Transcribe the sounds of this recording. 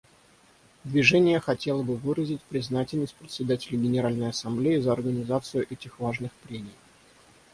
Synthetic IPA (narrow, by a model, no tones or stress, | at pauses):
d̪vʲɪʐɛnʲɪjəxɐtʲe̞lˠəbɨvɨɾəzʲɪtʲpɾʲɪznatʲɪlʲnəsʲpɾʲɪt̪ʲsʲɪd̪atʲɪlʲɪɡʲɪnʲɪɾalʲnəjɐsɐmblʲejɪzəɐrɡənʲɪzat̪sɨjʊʔɛtʲɪxvaʐnɨxpɾʲemʲɪj